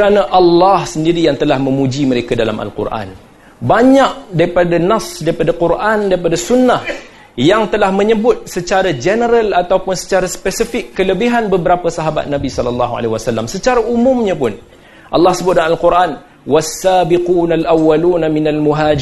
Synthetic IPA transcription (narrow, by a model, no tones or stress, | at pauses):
ɾanaʔalːɑhsəndiɾijaŋt̪əlahmə̃mud͡ʒiməɾekadala̰mʔa̰lqṵrʔa̰n | baɲaʔ̚daɾipadanafsdaɾipadaqurʔandaɾipadasunːah | jaŋt̪əlahmə̃ɲəbʊt̪̚sət͡ʃaɾad͡ʒɛnəɾalat̪awpʊnsə̥t͡ʃaɾaspɛsifɪkːələbiɦanbəbəɾapasaɦaba̰t̪̚nabisɔlalːaɦua̰leɦiwasalːamsət͡ʃaɾaʔumʊmɲapʊn | ʔa̰lːɑhsəbʊt̪̚daalquɾʔan | wasːaːbiquːnalʔawːaluːnaminalmuɦaːd͡ʒ